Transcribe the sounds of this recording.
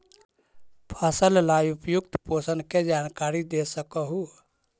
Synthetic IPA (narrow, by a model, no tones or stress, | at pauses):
pʰasəllaːjupjʊk̚t̪poːsənked͡ʒaːnkaːɾid̪esəkəɦu